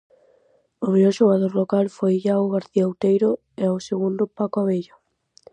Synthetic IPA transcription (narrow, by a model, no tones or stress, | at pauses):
oβeʎoʃoɣaðoɾlokalfojʎawɣaɾθiaawt̪ejɾʊ | eawseɣund̪ʊpakʊaβeʎo